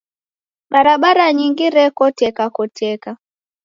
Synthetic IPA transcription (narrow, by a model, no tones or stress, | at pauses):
ɓaɾaɓaɾaɲiŋɡiɾɛkɔtɛkakɔtɛka